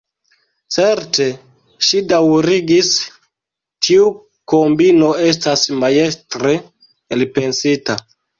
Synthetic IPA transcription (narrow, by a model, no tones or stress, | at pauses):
t͡se̞ɾte̞ | ʃidawɾiɡis | tʰiu | ko̞mbino̞e̞s̬tasmaje̞stɾe | elpe̞nsita